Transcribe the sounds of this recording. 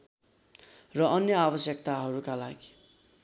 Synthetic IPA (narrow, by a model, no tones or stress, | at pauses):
rʌʔʌnjʌabʌsjʌk̚t̪aɦʌɾukalaɡi̥